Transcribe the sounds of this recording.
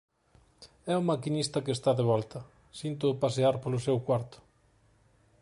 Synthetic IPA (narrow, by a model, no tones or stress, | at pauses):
ɛʊmakinist̪ɐkest̪aðeβ̞ɔlt̪ɐ | sint̪̬ʊpaseaɾpolʊsɛwkwaɾt̪ʊ̥